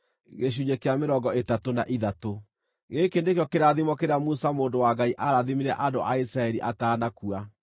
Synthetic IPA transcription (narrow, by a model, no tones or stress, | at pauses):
ɣeɕ̬uɲekeameɾɔŋɡɔetatona̰ʔiðato | ɣekendekejɔkeɾaðimɔkeɾeamusamoːndowaɡaiʔaɾaðimiɾɛʔadoʔaisɾaɛɾiʔataːnakua